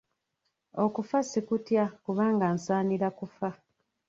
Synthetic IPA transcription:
okufasikutjakuβaːŋɡansaːniɾakufa

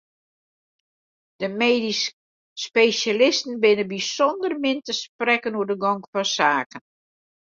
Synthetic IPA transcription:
d̥əmeːdisː | pesalɪstən̩bɪnəbisɔndərmɪntəsprɛkənuədəɡɔŋkfɔsaːkən

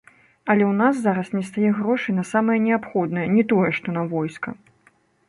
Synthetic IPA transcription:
ɐlʲɛwnas̬zaɾɐsnʲɛst̪ajɛɣɾɔʂɨjnɐsamɐjɐnʲɛapxɔd̪nɐjɐnʲɛt̪ɔjɛʂt̪ɔnɐvɔjskɐ

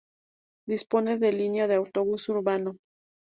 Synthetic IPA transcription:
d̪ispo̞ne̞ðe̞linjaðeawt̪o̞βusuɾβano̞

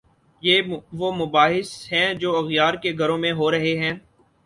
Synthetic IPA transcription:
jeːʋomʊbaːɦɪsɦɛ̃d͡ʒoːɐɣjaːɾkeɡʱɐɾõmẽɦoːɾɐɦeɦɛ̃ː

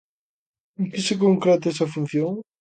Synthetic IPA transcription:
kɪsɪk̬oŋkɾet̪ɛsɐfun̟θjõŋ

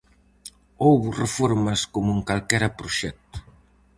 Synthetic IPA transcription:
owβrefoɾmɐskomuŋkalkɛɾapɾuʃɛk̚t̪u̥

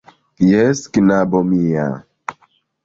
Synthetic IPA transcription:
jɛskinabɔmija̰

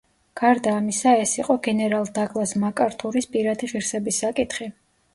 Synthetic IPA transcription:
ɡ̥aɾd̪aːmisaɛsiqʼɔɡɛnɛɾalˠd̪aɡʼlˠasmakʼaɾt̪ʰuɾispʼiɾad̪iʁiɾsɛbisːakʼit̪ʰχi

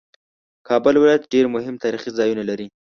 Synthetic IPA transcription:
kʰɑbʊlwɪlɑjat̪ɖeɾmʊɦɪmt̪ɑɾiχizɑjunalaɾi

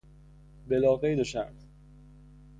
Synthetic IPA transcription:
belɒːɣejd̪oʃæ

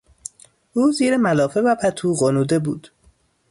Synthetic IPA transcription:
ʔuːziːɾemælɒːfe̞væpʰæt̪ʰuːɣonuːd̪e̞bṵːd̪̥

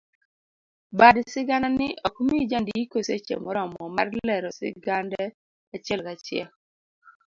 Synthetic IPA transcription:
badsɪɡananɪʔɔkmid͡ʒandiikoset͡ʃḛmɔɾɔmɔmarlɛɾɔsɪ̰ɡandɛ | at͡ʃɛlkat͡ʃɪɛ̰l

